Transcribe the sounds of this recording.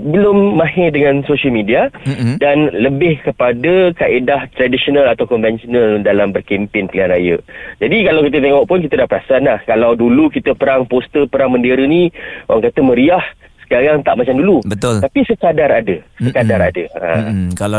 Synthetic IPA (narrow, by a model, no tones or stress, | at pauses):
bəlʊmːãɦɛdəŋãnsoʃəlmidiadanləbɪhkəpadəkaʔedaht̪ɾadisiɔnalat̪awkɔnvɛnsonəldalambərkempɪŋpəlianrajə̰d͡ʒadikalawkit̪̬ət̪̬ɛŋɔʔpʊnkit̪ədahpəɾasanahkalawdulukit̪əpəɾaŋpost̪əpəɾaŋmə̃ndeɾəniowaŋkat̪əmə̃ɾiah | sə̥kaɾaŋt̪aʔmat͡ʃamdulubət̪ʊlt̪apisəkadaɾadəsəkadaɾa̰dəa̰kal